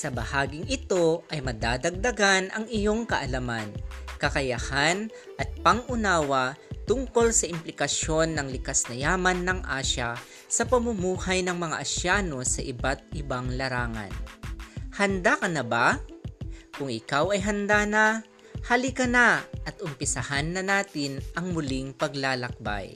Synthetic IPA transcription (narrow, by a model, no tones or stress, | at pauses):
sɐbɐhaːɡɪŋɪt̪o̞ʔɐjmɐd̪aːd̪ɐɡ̚d̪ɐɡanʔɐŋɪjo̞ŋkɐʔɐlɐmankɐkɐjahan | ʔɐt̪̚pɐŋʔʊnaːwɐt̪ʊŋko̞lsɐɪmplɪkɐʃjo̞nːɐŋlɪkasnɐjaːmɐnːɐŋʔaːʃa | sɐpɐmʊmuːhajnɐŋmɐŋa̰ʔɐʃjaːno̞sɐʔɪbat̪̚ʔɪbaŋlɐɾaːŋɐ̰n | hɐnd̪akɐnɐba | kʊŋɪkawɐjɦɐnd̪anɐ | hɐlɪkɐnaʔɐt̪ʔʊmpɪsɐhanːɐnaːt̪ɪnʔɐŋmʊlɪŋpɐɡlaːlɐk̚ba̰j